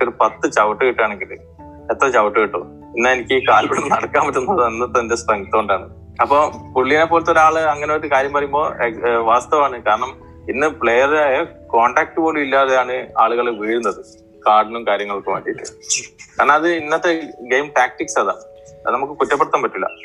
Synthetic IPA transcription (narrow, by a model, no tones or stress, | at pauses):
kːoɾupɐt̪ːɨt͡ɕɐʋɐʈːɨkiʈːaːɳe̞ŋɡilɨ | et̪ːɾɐt͡ɕɐʋɐʈːɨkiʈːo̰ | inːaenikʲːɨkaːlpeɽɐnːɨnɐɽɐkːaːmpɐʈːunːɐðenːɐt̪ːndespɐŋɡɐt̪ːɐoɳɖaːɳɨ | ɐpːopuɭːijɐnepːoːɭt̪ːo̞ɾaːɭɨɐŋːɐneot̪ːɨkaːɾjɐmpɐrɐjumbo̞ːeʋaːst̪ɐʋaːɳɨkaːɾɐɳɐm | inːɨpɭejɐreeko̞ːɳɖaːk̚ʈːɨpoːɽuilːaːðejaːɳɨaːɭuɣɐɭʋiːɻunːɐðɨ | kaːɖnumkaːɾjɐŋːɐɭokːɨʋɐ̰ːɳɖijiʈːɨkaːɾɐɳɐmɐðɨinːɐt̪ːeɡe̞jmʈaːk̚ʈiksɐða̰ː | ɐ̰ðɨnɐmukːɨkutːɐpːɐɽɐt̪ːaːmpɐtːulːɐ̰